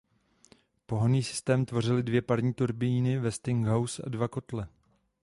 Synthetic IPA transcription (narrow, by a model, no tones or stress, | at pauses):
po̞ɦaniːsɪ̥st̪ɛːmt̪vo̞r̝ɪlɪdvjɛpaɾɲiːt̪uɾbɪjinɪvɛst̪ɪŋɡɦawsa̰dvako̞t̪lɛ